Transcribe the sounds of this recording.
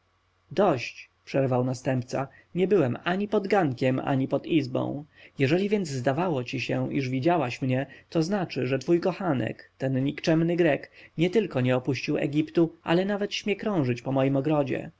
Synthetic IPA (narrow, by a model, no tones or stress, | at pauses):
d̪ɔɕt͡ɕpʂɛɾvawnast̪ɛmp̚t̪sa̰ | ɲɛbɘwɛmaɲipɔd̪ɡaŋkʲɛma̰ɲipɔd̪izbɔ̰̃w̃jɛʐɛlʲivʲjɛnd̪zzd̪avawɔt͡ɕiɕɛʔiʐvʲid͡ʑawaɕmɲɛt̪ɔznat͡ʂɘʐɛt̪fujkɔxanɛ̰kt̪ɛnɲikt͡ʂɛmnɘɡɾɛkɲɛt̪ɘlkɔɲɛɔpuɕt͡ɕiwɛ̰ɡʲipt̪uʔa̰lɛnavɛt̪ɕmʲjɛkɾɔ̃w̃ʐɘt͡ɕpɔmɔjimɔɡɾɔd͡ʑɛ̰